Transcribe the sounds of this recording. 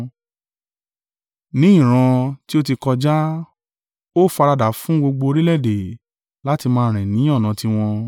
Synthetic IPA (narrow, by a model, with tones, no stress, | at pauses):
nĩ˨˦ĩ˦˨ɾ̃ã˧ti˦o˦ti˧kɔ˧d͡ʒa˦ | o˦˨fa˧ɾa˧da˨fũ˦ɡ͡bo˧ɡ͡bo˧o˧ɾi˦lɛ˦˨de˨ | la˦ti˧mãː˧˦ɾ̃ɛ̃˨nĩ˨˦ɔ˦˨nã˨˧ti˧w̃ɔ̃˧